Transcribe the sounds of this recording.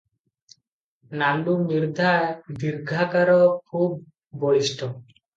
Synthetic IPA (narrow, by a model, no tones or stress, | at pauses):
nanumiɾd̪ʱaed̪iɾɡʱakaɾɔkʰub̚ː | oɾiʃʈʰɔ